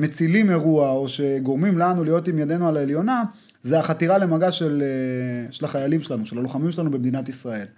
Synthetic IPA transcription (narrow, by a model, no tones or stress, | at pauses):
me̞t͡silime̞ʁuao̞ʃe̞ɡo̞ʁmimlanulijo̞t̪imjad̪e̞nualaeljo̞na | zeaχat̪iʁale̞maɡaʃeleʃe̞laχajalimʃelanuʃe̞laloχamimʃelanubemd̪inat̪isʁae̞l